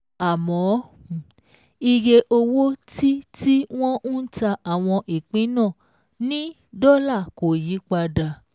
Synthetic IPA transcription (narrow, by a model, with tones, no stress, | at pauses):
a˨mɔ̃˨˦ | i˧ɾe˧ʔo˧wo˦ti˦ti˦w̃ɔ̃˦ũ˦ta˧ʔa˨w̃ɔ̃˧ʔi˨k͡pĩ˨˦nã˦˨ | nĩ˦ | dɔ˦la˦˨ko˨ji˨˦k͡pa˧da˧